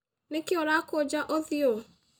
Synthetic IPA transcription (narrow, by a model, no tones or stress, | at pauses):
nekɪɔɾakod͡ʒaʔoðɪo